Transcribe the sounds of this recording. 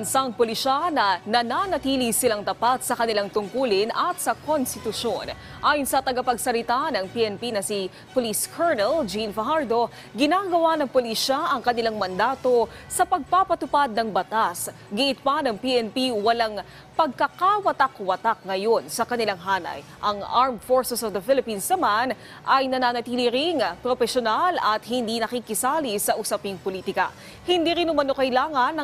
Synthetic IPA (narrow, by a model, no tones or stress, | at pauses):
nsaŋpolɪʃanɐnɐnanɐt̪iːlisɪlaŋt̪ɐpat̪̚sɐkɐnɪlaŋt̪ʊŋkuːlɪnɐt̪̚sɐkʰonst̪ɪt̪ʊʃon | ʔaːjʊnsɐt̪ɐɡapɐɡsɐlɪt̪anɐŋpiʔɛnpinɐsi | poliskʰɛɹnɛld͡ʒinfɐɦaɹd̪o̞ | ɡɪnaɡɐwanɐŋpoliʃaʔɐŋkɐnɪlaŋmɐnd̪aːt̪o̞sɐpɐɡ̚papɐt̪ʊpad̪̚nɐŋbɐt̪asɡɪʔɪt̪̚panɐŋpiʔɛnpiwɐlaŋ | pɐɡ̚kɐkawɐt̪ɐkwɐt̪ak̚ŋɐjo̞nsɐkɐnɪlaŋɦaːnɐ̰j | ʔɐŋʔaɹmfoɹsɛsɔvd̪ɐfɪlɪpinsnɐman | ʔɐjnɐnaːnɐt̪iːliɾɪŋpɾofɛʃonalɐt̪hɪnd̪inɐkikɪsaːlisɐʔʊsɐpɪŋpoliːt̪ɪkɐ̰ | hɪnd̪iːɾɪnʊmɐnokɐɪlaːŋɐnɐ